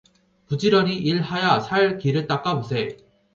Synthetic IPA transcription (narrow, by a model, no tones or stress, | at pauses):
pud͡ʑiɾʌniʔiɭhajasʰaɭkiɾɯɭt͈ak͈amusʰe